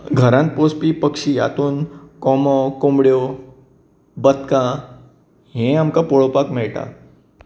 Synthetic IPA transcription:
ɡʱəɾãnt̪̚pospiːpəkʂia̰t̪uːnkɔmɔkombɽjo | bət̪kã | ɦẽamkapoɭopakmɛɭʈa̰

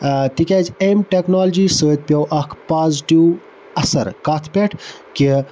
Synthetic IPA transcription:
t̪ikʲaːd͡ʒeːmʈeknaːld͡ʒisoːt̪̚pʲjɐwʔɐkʰpaːzʈiw | ɐsɐ̰ɾkaːt̪ʰpʲeʈʰki

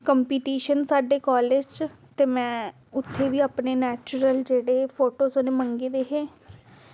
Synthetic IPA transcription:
kəmpiːʈiːʃənsaːɖeːkɔːled͡ʒt͡ʃt̪eːmɛ̃ː | ʊt̪ʰːeːʋiːaːpneːnɛːt͡ʃʊɾəld͡ʒeːɽeːpʰoːʈoːsoneːməŋɡeːd̪eːɦeː

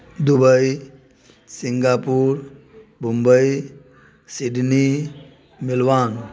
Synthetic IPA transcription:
d̪ubəj | siŋɡapuɾ | bʱumbəj | siɖni | milʋaːn

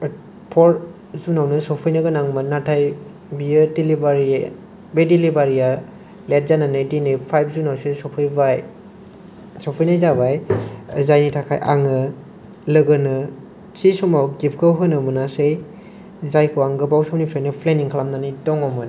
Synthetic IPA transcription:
pʰɔɾ | zunawnɯsɔpʰɯjnɯɡɯnaŋmɯnatʰaj | biɯdilibaɾi | bedilibaɾija | let̚zananɯjdinejpʰajb̚ʰzunawsesɔpʰɯjbaj | sɔpʰɯjnajzaβajzajnitʰakʰa̰jʔa̰ŋɯ | lɯɡɯnɯ | t͡ʃisɔmawɡip̚ʰkʰɯɦɯnɯmɯnasej | zajkʰɯwaŋɡɯbawsɔwnipʰlenɯpʰleniŋkʰlamnanidɔŋɔmɯn

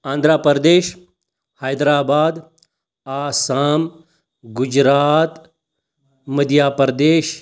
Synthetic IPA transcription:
ãːnd̪ʱɾaːpəɾd̪eːʃ | hajd̪ɾaːbaːd̪ | aːsaːm | ɡʊd͡ʒɾaːt̪ | məd̪ʱjaːpəɾd̪eːʃ

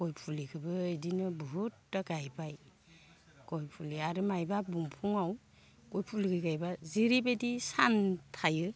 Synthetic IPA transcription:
kɔjpʰulikʰɯbɯedinɯbɯɦutːaɡajbaj | kɔjpʰuliaɾɯmajbabuŋpʰuŋaw | kojpʰuliɡɯɡajbaziɾibedisantʰajɯ

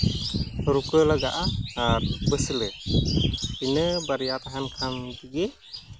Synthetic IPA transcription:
ɾukəlaɡa̰ʔaːɾbəsilɛ | inəbaɾijat̪aɦankʰamɡiɡɛ

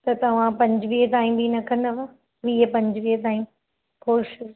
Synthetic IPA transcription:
t̪ɐt̪ɐʋ̤ãpɐ̃ɲd͡ʑʋiːɦt̪aːĩmbinɐkʰə̃nd̪ɐʋa | ʋiːɦəpɐ̃ɲd͡ʑʋiːɦt̪̬aːĩm | koːʃɪs

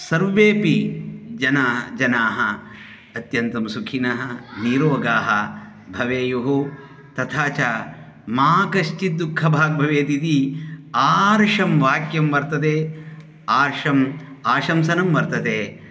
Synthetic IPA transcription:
sɐɾʋeːpid͡ʒɐnaːɦɐd͡ʒɐnaːɦɐ | ɐt̪jɐnt̪ɐmsukʰinɐɦɐ̆niːɾoːɡaːɦɐ | bʱɐʋeːjuɦu | t̪ɐt̪ʰaːt͡ʃaː | maːkɐʃt͡ʃid̪ːukʰːɐbʱaːɡ̚bʱɐʋeːt̪it̪iaːɾʂɐmʋaːkjɐmʋɐɾt̪ɐt̪eː | aːɾʂɐmaːʃɐmsɐnɐmʋɐɾt̪ɐt̪eː

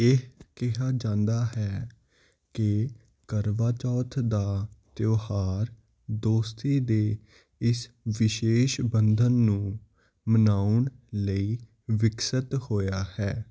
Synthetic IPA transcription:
eɦkɪɦaːd͡ʒãːnd̪aːɦɛː | kɪ | kəɾʋaːt͡ʃɔːt̪ʰd̪aːt̪joːhaːɾ | d̪oːst̪iːd̪eː | ɪs | ʋɪʃeːʃbənd̪ʱənːũː | mənaːʊɳləiː | ʋɪksət̪hoːjaːhɛː

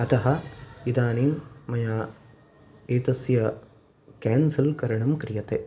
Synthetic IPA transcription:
ɐt̪ɐɦɐ̆id̪aːniŋmɐjaː | eːt̪ɐsjɐ | kɛːnsɐlkɐɾɐɳɐmkɾijɐt̪e

